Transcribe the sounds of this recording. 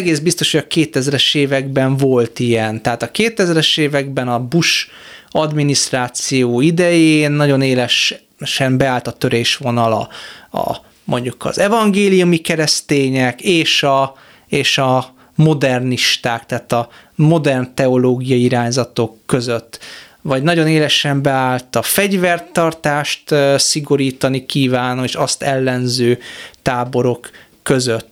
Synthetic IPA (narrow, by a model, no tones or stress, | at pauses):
ɛɡeːzbist̪o̞ʃhoɟɒkeːt̪ɛzɾɛʃeːvɛɡbɛɱvo̞lt̪ijɛnt̪ɛɦaːt̪ɒkeːt̪ɛzɾɛʃeːvɛɡbɛnɒbuʃ | ɒd̪minist̪raːt̪sijoːid̪ɛjeːnːɒɟo̞neːlɛʃ | ʃɛmbɛaːlt̪ɒt̪ø̞ɾeːʃʋo̞nɒlɒ̰ɒ̰ | mʔo̞ɲɟukɒ̰zɛvɒŋɡeːlijumikɛɾɛst̪eːɲɛkeːʃɒ | eːʃɒ | mo̞d̪ɛrniʃt̪aːk̚t̪ɛɦaːt̪ɒ | mo̞d̪ɛrnt̪ɛo̞loːɡijɒiiɾaːɲzɒt̪o̞kːø̞zøt̪ːvɒɟnɒɟo̞neːlɛʃɛmbɛaːlt̪ɒfɛɟvɛrt̪ɒrt̪aːʃt̪siɡo̞ɾiːt̪ɒnikiːvaːnoeːʃɒst̪ɛlːɛnzøːt̪aːbo̞ɾo̞kː | ø̞zøt̪ː